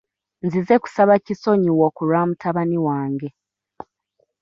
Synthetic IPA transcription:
nzize̞ku̥saβaciso̞ɲiwokuɾaːmutʰaβaniwaːŋɡe̞

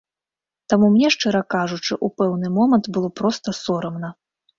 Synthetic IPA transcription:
t̪amumnʲɛʂt͡ʂɨɾɐkaʐut͡ʂɨʔupɛwnɨmɔmɐnt̪bɨlˠɔpɾɔst̪ɐsɔɾɐmnɐ

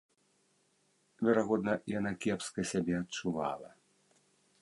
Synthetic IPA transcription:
vʲɛɾaɣɔd̪nɐjanakʲɛpskɐsʲabʲɛɐt̚t͡ʂuva̰lˠɐ̰

